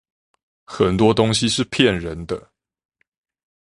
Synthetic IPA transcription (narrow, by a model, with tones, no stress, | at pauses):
xə˨˩nt̪wɔ˥t̪ʊ˥ŋɕi˨ʂɻ̩˥˩pʰjɛ˥˩nɻə˧˦nd̪ə˦